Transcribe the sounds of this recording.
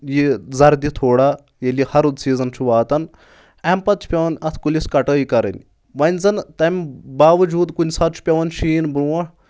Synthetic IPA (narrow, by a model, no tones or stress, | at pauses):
jizɐɾd̪it̪ʰoːɽaː | jelihɐɾud̪siːzɐnt͡ʃʰuʋaːt̪ɐn | ɐmpɐt̪̚t͡ʃʰpʲɐʋɐnɐt̪ʰkuliskɐʈəːikɐɾɐ̰nʲ | ʋɐnʲzɐnt̪ɐmʲbaːʋɐd͡ʒuːd̪kunʲsɐt̪̚t͡ʃʰu̥pʲɐʋɐnʃiːnbɾuʋɐɳ